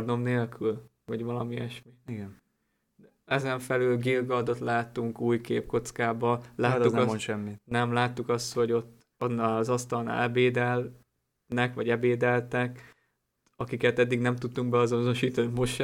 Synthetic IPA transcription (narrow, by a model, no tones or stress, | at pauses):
rno̞mneːlkʰylvɒɟʋɒlɒmiɛʃmiiɡɛn | ɛzɛɱfɛlylɡilɡɒd̪o̞t̪laːt̪ːuŋkuːjkeːpko̞t̪skaːbɒlaːt̪ːunmonʃɛmːinɛmlaːt̪ːukɒst̪ho̞ɟo̞t̪ː | onːaɒzɒst̪ɒlna̰lɛbeːd̪ɛl | nɛkʋɒɟɛbeːd̪ɛlt̪ɛk | ɒkikɛt̪ɛd̪ːiɡnɛmt̪ut̪ːuŋk̚bɛɒzo̞no̞ʃiːt̪ɒnimo̞ʃʃɛ